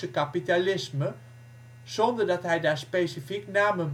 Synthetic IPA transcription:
əkapitalɪsmə | z̥ɔndəɹdɑtɦɛjdaːɹspesifiknaːmən

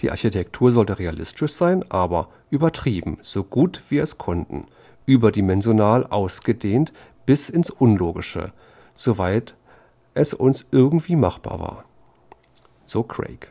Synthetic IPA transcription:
d̥ḭːʔaɐçitʰɛktʰuːɐzɔltəʁealɪ̰stʰɪʃz̥aɪnʔaːbɐ | ʔyːbɐtʁ̥iːbm̩z̥oːɡuːtv̥iːɐɛskʰɔntn̩ | ʔyːbɐdimɛnzjonaːlʔaʊsɡ̥ədeːnt | b̥ɪsɪnsʔʊnloːɡɪʃə̰ | z̥ovaɪt | ʔɛsʔʊ̰nsʔɪɐɡŋ̩tv̥iːma̰χb̥a̰ːɐva̰ːɐ | z̥oːkʁ̥ḛɪk

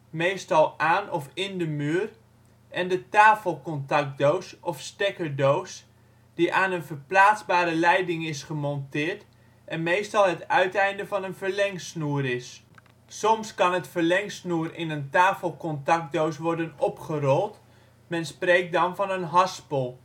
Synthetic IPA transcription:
mejstɑlˠʔaːnɔfɪndəmyːər | ʔɛndətaːfəlˠkɔntɑk̚dowsɔfstɛkədoːs | d̥iʔaːnənvərplaːt͡sbaːɾəlɛjdɪŋɪsχəmɔntɪːɹt | ʔɛnmeːstɑlˠɦətœɥtɛjndəvɑnənvəɹlɛŋsnuːəɾɪs | sɔmskɑnətfəɹlɛŋsnuərɪnəntaːfəlˠkɔntɑk̚dowsʋɔrdənɔpχərɔlˠt | mɛnspreːk̚dɑnvɑnənɦɑspɔlˠ

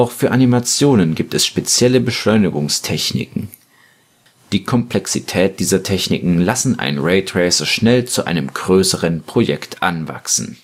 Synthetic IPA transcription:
ʔaʊxfyːɐʔanimat͡sjoːnənɡiːp̚tɛsʃpet͡sjɛləbəʃlɔʏnɪɡʊŋstʰɛçnɪ̰kŋ̩ | d̥iːkʰɔmplɛksitʰɛːt̚d̥iːzɐtʰɛçnɪ̰kŋ̩lasn̩ʔa̰ɪnnʁɛɪtʰʁ̥ɛɪsɐʃnɛlt͡suʔa̰ɪnəmɡ̥ʁøːsəʁənpʁ̥ojɛ̰ktʰʔa̰nva̰ksn̩

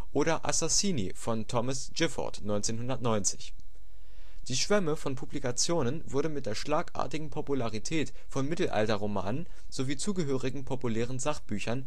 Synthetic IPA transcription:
ʔoːɾɐʔa̰sasiːnḭfɔntʰɔməsd͡ʒ̥ɪfɔ̰ɐtnɔʏnt͡seːnɦʊndɐtnɔʏnt͡sɪ̥ç | d̥iːʃv̥ɛməfɔnpʰublikat͡sjoːnənvʊɐdəmɪt̚d̥eːɐʃlaːkʔa̰ːɐtɪɡŋ̩pʰopulaʁitʰɛːt | fɔnmɪtl̩ʔa̰ltɐʁ̞oma̰ːnən | z̥oviːt͡suːɡəɦøːʁɪɡŋ̩pʰopulɛːʁ̞ənzaχb̥yːçɐn

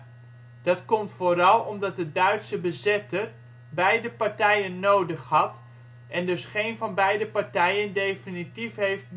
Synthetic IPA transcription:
d̥ɑtkɔmtfoːɾɑlˠɔmdɑt̚dədœɥtsəbəzɪtər | bɛjdəpaɹtɛjənːowdəχhɑt | ʔɛndɵsχejnvɑnbɛjdəpaɹtɛjəndejfinitifɦejft̚

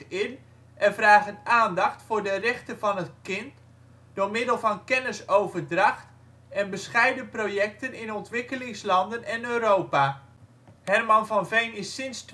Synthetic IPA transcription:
ɪn | ʔɛnvraːχənaːndɑχtfʊːɹdərɛχtəvɑnətkɪnt | dʊːɹmɪdəlˠvɑnkɛnəsowvərdrɑχt | ɛnbəsχɛjdəprojɛk̚tənɪnɔntʋɪkəlɪŋslɑndənɛnøːɾowpa | hɛrmɑnvɑnvejnɪsɪnst

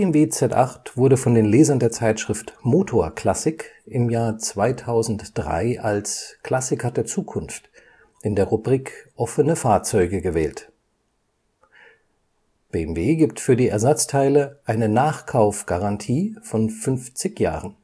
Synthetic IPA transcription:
b̥eɛmveːt͡sɛtʔa̰χtv̥ʊɐɾəfɔndeːnleːzɐndeːɐt͡saɪtʃʁ̥ɪftmoːtʰoːɐkʰl̥asɪkʔɪmjaːɐt͡sv̥aɪtʰaʊzn̩td̥ʁa̰ɪʔalskl̥asɪkɐdeːɐt͡suːkʰʊnft | ʔɪndeːɐʁubʁiːkʔɔfənəfaːɐt͡sɔʏɡəɡəvɛ̰ːlt | b̥eːɛmveːɡiːp̚tfyːɐdiːʔɛɐzat͡stʰaɪləʔaɪnənaːχkʰaʊfɡ̥aʁantʰiːfɔnfʏnft͡sɪçja̰ːʁən

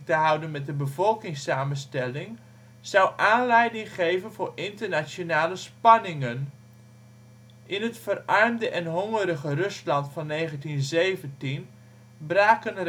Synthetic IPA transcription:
təɦʌwdənmɛt̚dəbəvɔlˠkɪŋsaːmənstɛlɪŋ | z̥ʌwʔaːnlɛjdɪŋχejvənvʊːɹɪntəɹnasjonaːləspɑnɪŋən | ʔɪnətfərʔɑrmdəʔɛnɦɔŋəɾəχərɵslɑntfɑnːeːχəntinzejvəntin | braːkən

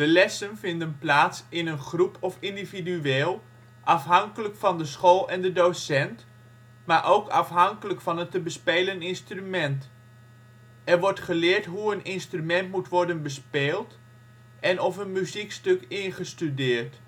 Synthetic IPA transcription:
d̥əlɛsənfɪndənplaːtsɪnənχrupʰɔfɪndividyeːlˠ | ʔɑfɦɑŋkələkfɑndəsχoːlˠɛndədosɛnt | maːɹʔowkʰɑ̰fɦɑŋkələkfɑnətəbəspejlənɪnstrymɛnt | ɛɹʋɔɹtχəlɪːrtɦuənɪnstrymɛntmutʋɔɹdənbəspeːlˠt | ʔɛnɔfənmyzikstøkɪnχəstydɪːrt

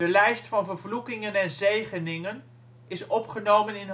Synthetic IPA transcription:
əlɛjstfɑnvəɹvlukɪŋənɛnzejχənɪŋən | ɪsɔpχənowmənɪn

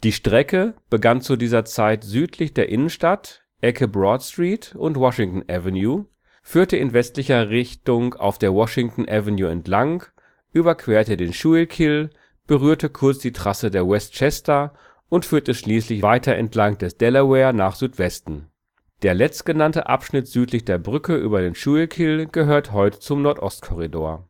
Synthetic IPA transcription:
d̥iːʃtʁ̥ɛkəb̥əɡant͡sudiːzɐt͡saɪtzyːtʰlɪçd̥eːɐʔɪnənʃtat | ʔɛkʰəbʁɔtstʁ̥iːtʊntvwɔʃɪŋtn̩ʔɛvɛnjuː | fyːɐtəɪnvɛstlɪçɐʁɪçtʊŋa̰ʊfd̥eːɐwɔʃɪŋtn̩ʔɛvɛnjuːɛ̰ntlaŋ | ʔyːbɐkʰv̥eːɐtədeːnʃuːɪlkʰɪl | b̥əʁyːɐtəkʰʊɐt͡sd̥iːtʁ̥asədeːɐwɛstt͡ʃɛstɐ | ʔʊntfyːɐtəʃliːslɪçvaɪtʰɐʔɛ̰ntʰlaŋd̥ɛsd̥ɛləwɛːɐnaːχz̥yːtv̥ɛstn̩ | d̥eːɐlɛt͡stɡ̥ənantə̰ʔa̰pʃnɪtz̥yːtʰlɪçd̥eːɐbʁʏkəʔy̰ːbɐdeːnʃuːlkʰɪlɡ̥əɦøːɐtəɦɔʏtə̥t͡sʊmnɔɐtʔɔstkʰɔʁidoːɐ

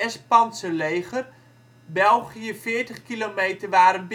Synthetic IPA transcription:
ɛspɑnsəlejɣər | bɛlˠɣijəfɪːɹtəχkilomeːtərʋaːɾənb

